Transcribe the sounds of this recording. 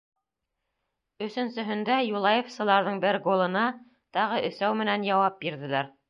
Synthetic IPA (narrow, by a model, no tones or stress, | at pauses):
ɵ̆sɵ̆nsɵ̆ɦɵ̆nd̪æjulˠɑjefsɤ̆lˠɑɾðɤɴbɘɾɡolˠɤ̆nɑ | t̪ɑʁɤʔɵ̆sæwmɘ̆nænjɑwɑp̚biɾðɘ̆læɾ